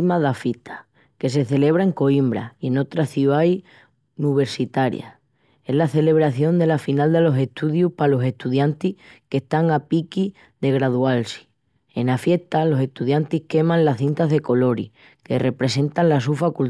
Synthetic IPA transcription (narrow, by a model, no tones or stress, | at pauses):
maðafit̪ʰḁ | ke̞s̬e̞θe̞le̞β̞ɾae̞ŋko̞imbɾa̰ie̞no̞t̪ɾaθjuaj | niβ̞e̞ɾsit̪aɾja̰ | e̞ɦlaθe̞le̞β̞ɾaθjo̞nd̪e̞lafinald̪e̞lo̞se̞ht̪uðjupalo̞se̞ht̪uðjant̪ihke̞ht̪aŋapiki | ðe̞ɣɾaðualsi̥ | e̞nafje̞ht̪alo̞se̞ht̪uðjant̪ihke̞mãnlaθint̪aɦðe̞ko̞lo̞ɾḭ | ke̞̰re̞pɾes̬e̞nt̪anlas̬ufakul